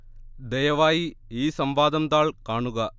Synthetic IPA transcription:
d̪ɛjɐʋaːjiiːsɐmʋaːd̪ɐmd̪aːɭkaːɳuɣɐ

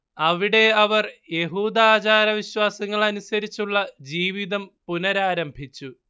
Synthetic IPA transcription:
ɐʋiɽe̞ɐʋɐrje̞ɦuːd̪aːt͡ɕaːɾɐʋiɕwaːsɐŋːɐɭɐnusɐɾit͡ɕːuɭːɐd͡ʑiːʋiðɐmpunɐɾaːɾɐmbʱit͡ɕːu

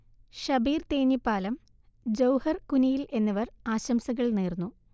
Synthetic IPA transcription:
ɕɐbiːrt̪e̞ːnipːaːlɐm | d͡ʑɐwhɐrkunijilʔe̞nːɐʋɐraːɕɐmsɐɣɐɭneːrnːu

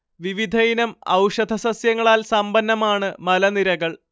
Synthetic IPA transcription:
ʋiʋid̪ʱɐjinɐmɐ̰wʂɐd̪ʱɐsɐsjɐŋːɐɭaːlsɐmbɐnːɐmaːɳɨmɐlɐniɾɐɣɐɭ

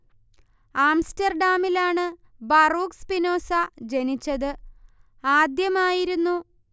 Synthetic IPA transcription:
aːmstɐrɖaːmilaːɳɨ | bɐruːkspino̞ːsad͡ʑenit͡ɕːɐðɨ | aːd̪jɐmaːjiɾunːu

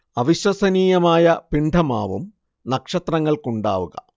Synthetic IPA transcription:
ɐʋiɕwɐsɐniːjɐmaːjɐpiɳɖʰʱɐma̰ːʋṵm | nɐkʂɐt̪rɐŋːɐɭkuɳɖa̰ːʋuɣɐ̰

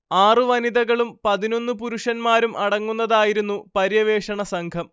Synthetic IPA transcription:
aːrɨʋɐniðɐɣɐɭumpɐðino̞nːupuɾuʂɐnmaːɾumʔɐɽɐŋːunːɐðaːjiɾunːupɐɾjɐʋeːʂɐɳɐsɐŋkʰɐm

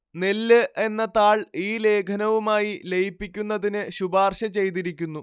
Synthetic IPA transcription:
nelːɨʔe̞nːɐt̪aːɭiːle̞ːkʰɐnɐʋumaːjile̞jipːikʲːunːɐðinɨɕubaːrɕɐt͡ɕe̞jt̪̬iɾikʲːunːu

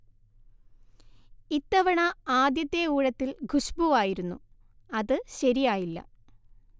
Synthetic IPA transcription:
it̪ːɐʋɐɳɐaːd̪jɐt̪ːjeuːɻɐt̪ːilɡʱuɕbuʋaːjiɾunːṵ | ɐðɨɕɐɾijaːjilːɐ̰

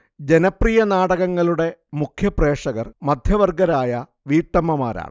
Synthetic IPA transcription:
d͡ʑe̞nɐprijɐnaːɽɐɣɐŋːɐɭuɽe̞mukʰjɐpre̞ːʂɐɣɐrmɐd̪ʱjɐʋɐrɡɐɾaːjɐ | ʋiːʈːɐmɐmaːɾa̰ːɳ

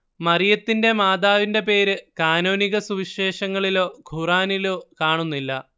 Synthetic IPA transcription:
mɐrijɐt̪ːinde̞maːd̪aːʋinde̞pe̞ːɾɨkaːno̞ːniɣɐsuʋiɕe̞ːʂɐŋːɐɭilo̞ːɡʱuraːnilo̞ːkaːɳunːilːɐ̰

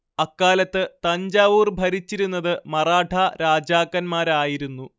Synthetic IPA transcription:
ɐkːaːlɐt̪ːɨt̪ɐɲd͡ʑaːʋuːrbʱɐɾit͡ɕːiɾunːɐðɨmɐraːɖʰʱɐɾaːd͡ʑaːkːɐnmaːɾaːjiɾunːu

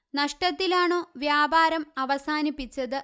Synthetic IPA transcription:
nɐʂʈɐt̪ːilaːɳo̞ːʋjaːbaːɾɐmɐʋɐsaːnipːit͡ɕːɐðɨ

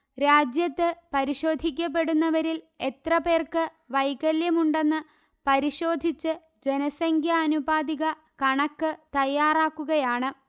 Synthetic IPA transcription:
ɾaːd͡ʑjɐt̪ːɨpɐɾiɕo̞ːd̪ʱik̬ʲːɐp̬ːe̞ɽunːɐʋɐɾil | e̞t̪rɐpe̞ːrkɨ | ʋɐjkɐljɐmuɳɖe̞nːɨ | pɐɾiɕo̞ːd̪ʱit͡ɕːɨ | d͡ʑe̞nɐsɐŋɡʰʱjɐːnubaːd̪iɣɐ | kɐɳɐkːɨt̪ɐjːaːraːkːuɣɐjaːɳɨ

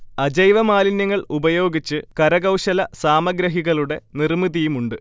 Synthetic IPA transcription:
ɐd͡ʑɐjʋɐmaːlinjɐŋːɐɭubɐjo̞ːɡit͡ɕːɨkɐɾɐɣɐwɕɐlɐsaːmɐɡɾɐɦiɣɐɭuɽe̞nirmiðijumuɳɖɨ

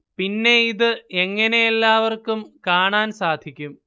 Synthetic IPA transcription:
pinːe̞iðɨeŋːɐnejelːaːʋɐrkumkaːɳaːnsaːd̪ʱikʲːum

